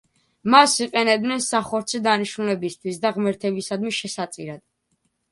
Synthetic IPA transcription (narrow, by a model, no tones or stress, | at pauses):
masiqʼɛnɛb̪nɛnsaχɔɾt̪sʰɛd̪aniʃulɛbist̪ʰwisd̪aʁmɛɾt̪ʰɛbisad̪miʃɛsat̪sʼiɾad̪̥̚